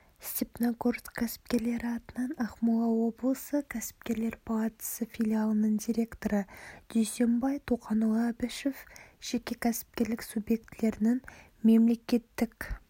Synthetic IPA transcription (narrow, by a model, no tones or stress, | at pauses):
st̪epnakort̪kʲʰæsɪ̥p̚kʲe̞ɾle̞ɾɪɑt̪ənənɑχmulˠɑwo̞blˠəsəkʲʰæsɪ̥p̚kʲe̞ɾle̞ɾpʰalˠɑt̪ə̥səfʲilʲialˠənəɴd̪ʲiɾʲe̞kt̪o̞ɾəd̪̥yjsʲe̞mbɑjt̪ʰuqɑnulˠɑbæʃefʒ̥e̞kʲe̞kʲʰæsɪ̥p̚kʲe̞ɾlɪksubje̞kt̪ɪle̞ɾɪnɪŋ | me̞mle̞kʲe̞t̪ːɪkʲ